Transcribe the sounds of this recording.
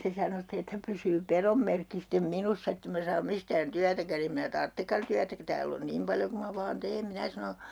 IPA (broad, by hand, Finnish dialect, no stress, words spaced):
se sɑno ste etːæ pysyː perom merkːi stem minusːɑ etː em mæ sɑːm mistæːn tyætækæn em minæ tɑrtːekːɑn tyætæ ku tæːl on nim pɑljo ku mɑ ʋɑːn teːm minæ sɑno